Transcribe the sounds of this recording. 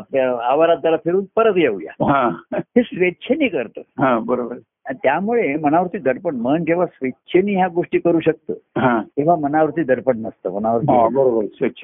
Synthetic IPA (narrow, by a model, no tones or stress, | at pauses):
apljaːʋaɾad̪aɾafʰiɾuːnpəɾət̪jeuja̰ɦãɦesʋetːt͡ɕʰeniːkəɾt̪əːɦãbəɾobəɾ | t̪jamuɭemənaʋəɾut̪iːd̪əɽpəɳmənkeʋ̤asʋetːɕʰeniːɦjaɡoʂʈiːkəɾuːɕək̚t̪ə̰ːɦãkeʋ̤amənaʋəɾut̪iːd̪əɽpəɳnəst̪ə̰ːmənaʋəɾt̪ɦiabəɾobəɾsʋeɕʰə̥